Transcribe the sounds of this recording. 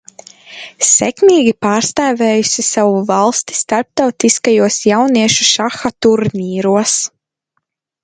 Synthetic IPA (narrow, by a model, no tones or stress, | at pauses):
sɛ̰kmiːɡʲipaːɾst̪aːvɛːjusisawuvalˠst̪i̥st̪aɾp̚t̪awt̪iskajuɔsjawniɛʃuʃaxat̪uɾniːɾuɔs